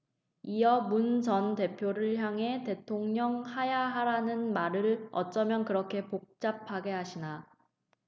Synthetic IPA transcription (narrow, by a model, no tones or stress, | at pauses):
ijʌmunt͡ɕʌnte̞pʰjoɾɯɭçjaŋɦe̞te̞tʰoŋɲʌŋhajaɦaɾanɯnmaɾɯɭʌ̰t͡ɕ͈ʌmjʌnkɯɾʌkʰe̞pok̚t͡ɕ͈ap̚ʰaɡe̞ɦaɕʰina